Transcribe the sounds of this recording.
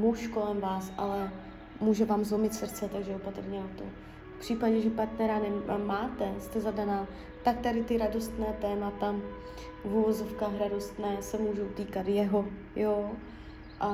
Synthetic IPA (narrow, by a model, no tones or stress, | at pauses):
muʃko̞lɛmvaːsʔa̰lɛ | muːʒɛvaːmzlomɪt̪sr̩t̪t͡sɛt̪aɡʒɛopat̪r̩ɲɛnat̪o̰ | fpr̝̥iːpaɟɛʒɛpaɾt̪nɛɾanɛmaːt̪ɛst̪ɛzadanaː | t̪ak̚t̪adɪt̪ɪɾado̞st̪nɛːt̪ɛːmat̪a | vuvo̞zo̞fkaːxɾado̞st̪nɛːsɛmuːʒowt̪iːkat̪jɛɦo̞ | joː | ʔa